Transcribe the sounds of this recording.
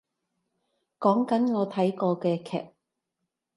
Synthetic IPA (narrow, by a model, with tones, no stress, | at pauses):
kɔː˨˥ŋkɐ˨˥nŋɔː˨˧t̪ʰɐ˨˥jkɔː˧kɛː˧kʰɛ̰ː˨p̚